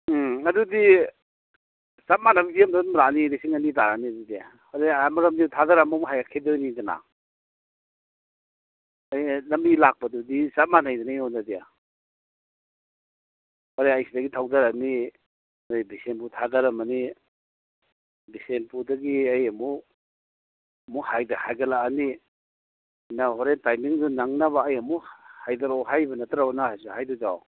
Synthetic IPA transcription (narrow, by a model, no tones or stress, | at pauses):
adudi | sat̚manamipʰijamdamɾanidisiŋanidaɾaniadudija | hɔɾeamaɾamnitʰadaɾamɔmɦajakʰedojnidana̰ | ajlɐmilak̚padudisat̚manajdanajɔndadija̰ | hɔɾeajsidɐɡitʰawdaɾani | ajbisenputʰadaɾamani | bisenpudaɡiajɐmu | muhajdahajɡalaːni | nahɔɾentajmiŋdunaŋnaβaːjamuhajdaɾawɦajbɐnataɾawnahajsuhajdud͡ʒaw